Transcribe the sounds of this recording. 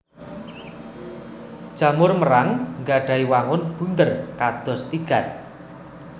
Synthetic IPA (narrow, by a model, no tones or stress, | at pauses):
d̥ʒ̥a̤mʊrməɾaŋŋɡaɖ̥a̤iwaŋʊnb̥unt̪ərkad̪̥ɔ̤st̪iɡ̥a̤t̪̚